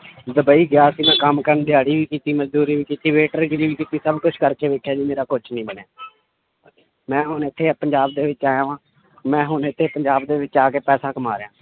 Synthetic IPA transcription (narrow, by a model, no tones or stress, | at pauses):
d̪əbaːiːɡjaːəsiːmɛ̃ːkəmkəɾənd̪ɪjaːɽiːʋiːkiːt̪iːməd͡ʒd̪uːɾiːʋiːkiːt̪iːʋeːʈəɾɡɪɾiːʋiːkiːt̪iːsəbkʊt͡ʃʰkəɾkeːʋeːkʰːjaːd͡ʒiːmeːɾaːkʊt͡ʃʰnĩːbənjaː | mɛ̃ːɦʊnɪt̪ʰːeːpəɲd͡ʒaːbd̪eːʋɪt͡ʃaːjãːʋãː | mɛ̃ːɦʊnɪt̪ʰːeːpəɲd͡ʒaːbd̪eːʋɪt͡ʃaːkeːpɛːsãːkəmaːɾejãː